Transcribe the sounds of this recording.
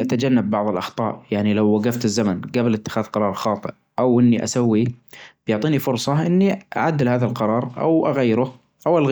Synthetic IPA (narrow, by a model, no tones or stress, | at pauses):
ʔat̪ad͡ʒanːabːɑʕðˤɨlʔɑxt̪ˤɑ̰ːʔjaʕnilawːaɡaft̪ɪzːamanɡablɪt̪ːɪ̥xaːðqɑɾˤɑːɾˤxɑːt̪ˤɨʔ | ʔawʔɪnːiʔa̰sawːib̥jʊʕt̪ˤiːnifʊɾsˤɑʔɪnːiʔa̰ʕad̪ːɪlhaːðalqɑɾˤɑːɾˤʔa̰wʔaɣajːɪɾʊ | ʔawalɣ